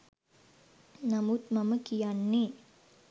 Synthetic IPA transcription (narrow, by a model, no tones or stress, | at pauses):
namut̪mɐməkijanːi